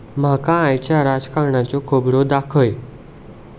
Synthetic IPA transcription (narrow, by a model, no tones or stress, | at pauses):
m̤akaːjt͡ɕjaɾad͡zkaɳat͡ɕɔkʰobɽod̪akʰəj